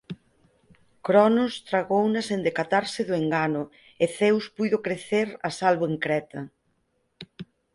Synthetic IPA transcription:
kɾɔnʊst̪ɾaɣownɐsend̪ekat̪aɾsɪðʊeŋɡanʊ | eθewspujðokɾeθeɾasalβoeŋkɾɛt̪ɐ

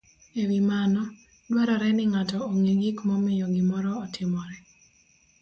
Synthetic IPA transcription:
ewimanɔ | dwaɾɔɾɛnɪŋatɔoŋiɡikmɔmɪjɔɡɪmɔɾɔːtʰɪmɔɾɛ

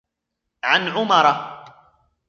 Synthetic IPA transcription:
ʕanʕʊmɑɾˤɑ

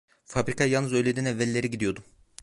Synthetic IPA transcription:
fabɾikʰajalˠnɯzø̞jlʲed̪inɛvːɛlʲːe̞ɾiɟid̪ijo̞d̪u

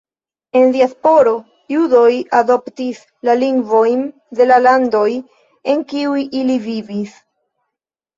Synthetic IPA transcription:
e̞ndiaspo̞ɾo̞ | judo̞jado̞ptis | laliŋɡvo̞jn | de̞lalando̞j | e̞ŋkiujʔilivivis

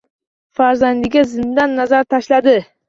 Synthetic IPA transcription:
faɾzand̪ɪɡʲazɪmd̪anːazaɾt̪ʰaʃlad̪ɪ

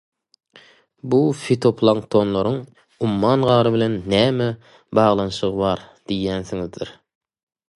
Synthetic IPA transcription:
bufit̪ʰopʰlˠɑŋkt̪ʰonlˠoɾʊŋ | umːɑnʁɑːɾɨbɪlɛnːæːmɛ | bɑːʁlˠɑnɨʃəʁəbɑɾ | d̪̥ijænsɪŋɪzd̪ɪɾ

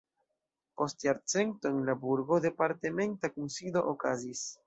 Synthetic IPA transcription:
post̪eaɾt͡sent̪oeŋlabuɾɣoðepaɾt̪emẽnt̪akunsiðoʔokazis

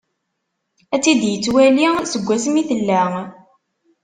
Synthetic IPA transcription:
æt͡sːid̪jət͡sːwælisəɡʷːæsəmiθəlːæ

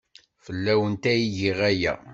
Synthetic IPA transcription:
fəlːæwənt̪æjiʝiʁæjæ̰

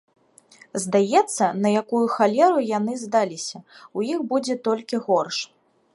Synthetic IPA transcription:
zd̪ajɛt̪sːɐnɐjakujuxalʲɛɾujanɨzd̪alʲisʲɐujixbud͡zʲɛt̪ɔlʲkʲiɣɔrʂ

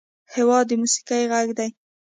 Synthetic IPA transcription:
hɪwɑd̪ːəmusi̥kajɣaɡd̪aj

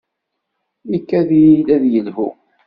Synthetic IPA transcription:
ikːæðjilæðjəlhṵ

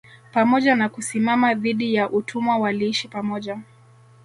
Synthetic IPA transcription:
pamɔʄanakusimamaðiɗijaʔutʰumwawaliiʃipamɔʄa

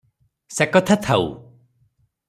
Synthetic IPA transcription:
sekɔt̪ʰat̪ʰaw̰

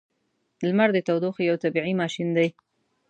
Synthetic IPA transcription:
lmaɾd̪ət̪awd̪oxjawt̪abiʕimɑʃind̪aj

